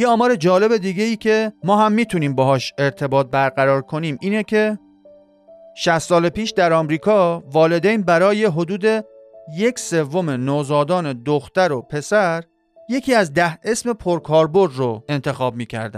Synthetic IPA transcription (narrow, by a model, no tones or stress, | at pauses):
jeɒːmɒːɾe̞d͡ʒɒːle̞be̞d̪iːɟe̞iːcʰe̞mɒːɦæmːiːt̪ʰuniːmbɒːɦɒːʃe̞ɾt̪ʰe̞bɒːt̪̚bæɾɢæɾɒːɾkʰo̞niːmiːnecʰe̞ | ʃæst̪sɒːlepiːʃd̪æɾɒːmɾiːkʰɒːvɒːle̞d̪ejnbæɾɒːje̞ɦo̞d̪uːd̪e̞ | je̞kse̞vːo̞me̞noːzɒːd̪ɒːne̞d̪oxt̪æɾopʰe̞sæɾ | je̞cʰiːæzd̪æhe̞sme̞pʰoɾkʰɒːɾbo̞ɾd̪roe̞nt̪ʰe̞xɒːb̚miːcʰæ̰ɾd̪æ̰